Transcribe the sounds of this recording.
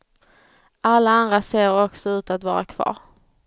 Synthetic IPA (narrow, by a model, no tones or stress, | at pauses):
alːaand̪ɾaseːɾɔksɔʉ̟ːt̪at̪vɑ̰ːɾakʰv̥ɑ̰ːɾ